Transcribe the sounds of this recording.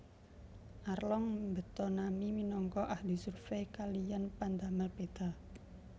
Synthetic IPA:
ʔarlɔŋmbə̤t̪ɔnamiminɔŋkɔʔahlisurfekalijanpand̪aməlped̪̥a̤

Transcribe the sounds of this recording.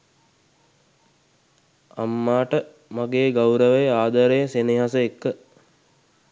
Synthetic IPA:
a̰mːaːʈə | maɡeːɡawɾəʋəjaːd̪əɾejəseniɦasəekːə

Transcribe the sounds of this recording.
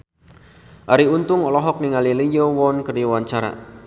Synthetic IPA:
ʔaɾiunt̪ʊŋɔlɔɦɔk̚niŋalilijɔwɔnkəriwaɲt͡ʃaɾa̰

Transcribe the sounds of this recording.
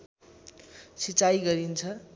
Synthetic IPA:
sit͡sajɡʌɾint͡sʰʌ

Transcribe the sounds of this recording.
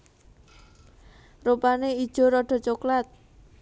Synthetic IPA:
rupanei̥ʒ̥o̤ɾɔɖ̥ɔ̤t͡ʃoklat̪̚

